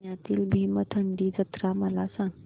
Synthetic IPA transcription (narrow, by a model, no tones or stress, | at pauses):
jat̪iːlbʱimət̪ʰəɳɖiːd͡zət̪ɾaməlasãŋ